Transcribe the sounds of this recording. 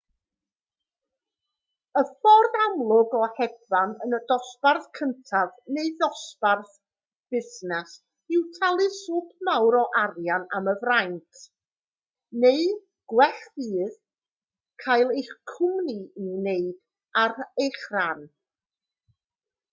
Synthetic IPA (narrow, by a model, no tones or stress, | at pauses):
əfɔrðamlˠʊɡɔhɛbvanənədɔsparθkʰəntʰavneɨðɔsparθ | b̥ɪsnɛs | ɪwtʰalˠɨsuːpʰmawɾɔʔarjanaməvrajntʰ | neɨ | ɡ̥wɛɬiːð | kʰajlˠejχkʰʊmniineɨd̥ | arejχran